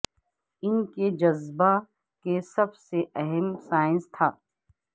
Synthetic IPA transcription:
ɪnked͡ʒɐzba | kesɐbseʔɛɦɛmsaːɪ̃nst̪ʰaː

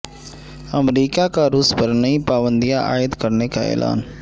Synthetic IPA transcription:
ɐmɾiːkakaɾuːspəɾnəĩpaːʋə̃nd̪ijaʔaːjət̪kɐɾnekaɛ̰ːlʔa̰ːn

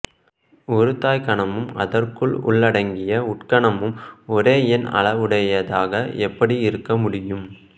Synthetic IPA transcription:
ɔɾɯt̪ːaːjkɐɳɐmɯmɐ̰ðɐrkɯɭʊ̰ɭːɐɽɐŋɡɪjɐʊʈkɐɳɐmɯmɔɾeːjɛnɐ̰ɭɐʋɯɽɐjɐðaːɣɐɛpːɐɽiɪɾɯkːɐmʊɽɪjɯm

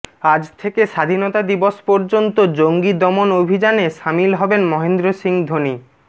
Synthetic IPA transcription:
ad͡ʑt̪ʰekeʃad̪ʱinot̪ad̪iboʃpɔɾd͡ʑont̪od͡ʑoŋɡid̪ɔmonobʱid͡ʑaneʃamilɦɔbenmɔɦend̪ɾosiŋd̪ʱoni

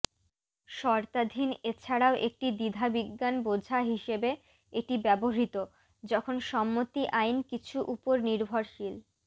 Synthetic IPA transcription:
ʃɔɾt̪ad̪ʱinet͡ɕʰaɽaoʔek̚ʈid̪id̪ʱabiɡːanbod͡ʑʱaɦiʃebe | eʈibɛboɦit̪o | d͡ʑɔkʰonʃɔmːot̪iʔajnkit͡ɕʰuʔupoɾniɾbʱoɾʃil

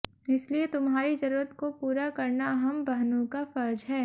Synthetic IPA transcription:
ɪsliet̪ʊmɦaːɾid͡ʒɐɾuːɾət̪kopuːɾakɐɾnaɐɦəmbɐɦnõkafɐɾd͡ʒɦɛː

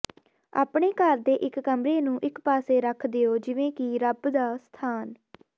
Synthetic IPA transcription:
a̰ːpɳeːkəɾd̪eːʔɪkːəmɾeːnũːʔɪkpaːseːɾəkʰd̪ɪoːd͡ʒɪʋẽːkɪɾəbd̪aːst̪ʰaːn

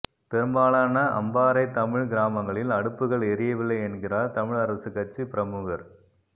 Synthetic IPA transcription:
pɛɾɯmbaːɭaːnɐʔɐ̰mbaːɾɐɪt̪ɐmɪɻɡɪɾaːmɐŋɡɐɭɪlɐɽɯpːɯɣɐɭɛɾɪjɐʋɪlːɐɪɛnɡɪraːɾt̪ɐmɪɻɐɾɐsɯkːɐt͡ʃːipɪɾɐmuɣɐɾ

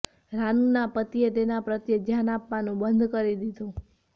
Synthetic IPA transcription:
ɾanũnapət̪iet̪enapɾət̪jed͡ʒ̪janapʋanũbənd̪ʱkəɾid̪id̪ʱũ

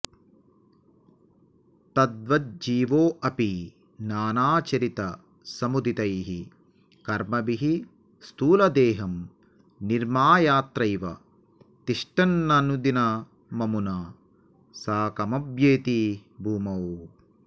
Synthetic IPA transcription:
t̪ɐd̪ʋɐt̪̚d͡ʒiːʋoːʔɐpi | naːnaːt͡ʃɐɾit̪ɐ | sɐmud̪it̪ɐjɦi | kɐɾmɐbiɦi | st̪uːlɐd̪eːɦɐm | niɾmaːjaːt̪ɾɐjʋɐ̰ | t̪iʂʈɐnːɐnud̪inɐ | mɐmuna | saːkɐmɐbjeːt̪ibʱuːmɐw

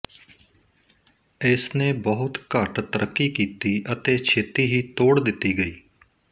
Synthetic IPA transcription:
ɪsnẽːbəɦʊt̪kəʈt̪əɾʔəkːiːkiːt̪iːʔət̪eːt͡ʃʰeːt̪iːɦiːt̪oːɽd̪ɪt̪ːiːɡəiː

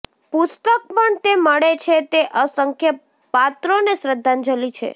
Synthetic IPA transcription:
pʊst̪ək̚pəɳt̪eməɭet͡ʃʰet̪eʔəsəŋkʰjə | pat̪ɾonesɾəd̪ʱːãnd͡ʒəlit͡ʃʰḛ

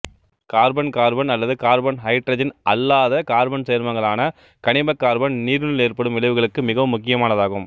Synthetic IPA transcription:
kaːɾbɐnkaːɾbɐnɐlːɐðɯkaːɾbɐnɦɐɪʈɾɐd͡ʒɐnʔɐ̰lːaːðɐkaːɾbɐnsejːɐɾmɐŋɡɐɭaːnɐ | kɐɳɪbɐkːaːɾbɐnniːɾɯnɯleːɾpɐɽɯmʋɪɭɐɪʋɯɣɐɭɯkːɯmɪɣɐʋɯmːʊkːɪjɐmaːnɐðaːɣɯm

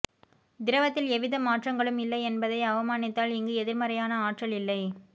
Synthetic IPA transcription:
d̪ɪɾɐʋɐt̪ːɪlɛʋɪðɐmaːʈrɐŋɡɐɭɯmɪlːɐɪɛnbɐðɐɪɐʋɐmaːnɪt̪ːaːlɪŋɡɯɛðɪɾmɐɾɐjaːnɐaːʈrɐɭɪlːɐɪ

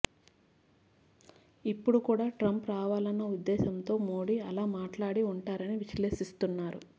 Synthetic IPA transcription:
ipːuɽukuːɽaːʈɾɐmpɾaːʋaːlɐnːɐud̪ːɛːsɐnt̪o̞ːmoːɽiɐlaːmaːʈlaːɽiuɳʈaːɾɐniʋiʃleːʃist̪unːaːɾṵ

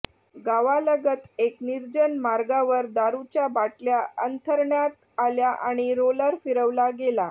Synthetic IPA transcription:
ɡaʋaləɡət̪ekniɾd͡ʑənmaɾɡaʋəɾd̪aɾut͡ɕjabaʈljaənt̪ʰəɾɳjat̪ | aljaʔa̰ɽ̃iɾoləɾfiɾəʋlaɡela

